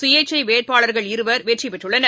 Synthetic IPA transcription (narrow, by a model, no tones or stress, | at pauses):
sʊjɐt͡ʃːɐɪʋeːʈ̚paːɭɐɾɣɐɭɪɾɯʋɐɾʋeːʈripɛʈrɯɭːɐnɐ